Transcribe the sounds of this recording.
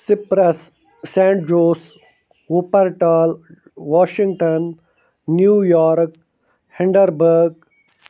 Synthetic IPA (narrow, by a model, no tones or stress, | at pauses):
sɪpɾɐsː | ẽːɳʈ̚d͡ʒoːs | upɐɾʈaːl | ʋaːʃɪ̃ŋɡʈɐnː | juːjɔːɾk | hɪɳɖəɾbəɾɡ̚